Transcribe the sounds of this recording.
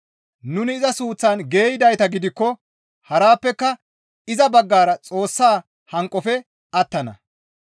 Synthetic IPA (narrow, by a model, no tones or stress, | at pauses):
nʊnɪːzɐsuːt͡sːanɡe̞ːjɪd̪ɐjt̪ɐɡɪd̪ɪkːɔ | hɐɾaːpːɛkːɐ | ɪzɐbɐɡːaːɾɐt͡sʼo̞ːsːaː | hɐŋkʼːɔfɛ | ɐt̪ːɐnɐ̰